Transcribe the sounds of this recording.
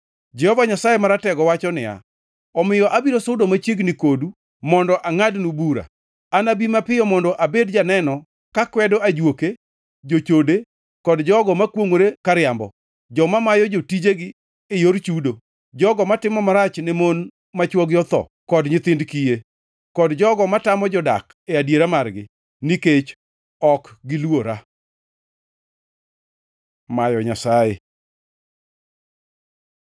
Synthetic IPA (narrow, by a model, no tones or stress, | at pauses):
d͡ʒɛhɔvaɲasajemaɾatɛɡɔwat͡ʃɔnɪja̰ | ɔmɪjɔʔabiɾosoʊdomat͡ʃjeɡnɪkodu | mɔndɔʔaŋadnubuɾa̰ | anabimapɪjɔmɔndɔʔabedd͡ʒanɛnɔ | kakwɛdɔad͡ʒwoke | d͡ʒot͡ʃode | kɔdd͡ʒɔɡɔmakwoŋwoɾekaɾɪambɔ̰ | d͡ʒɔmamajɔd͡ʒotid͡ʒeɡɪ | ejoɾt͡ʃudo | d͡ʒɔɡɔmatɪmɔmaɾat͡ʃnɪmon | mat͡ʃwɔɡjɔt̪ɔ̰kɔdɲɪt̪ɪndkije | kɔdd͡ʒɔɡɔmatamɔd͡ʒɔda̰k | eadjeɾamarɡɪ | niket͡ʃ | ɔkɡɪlwoɾa | majɔɲasaje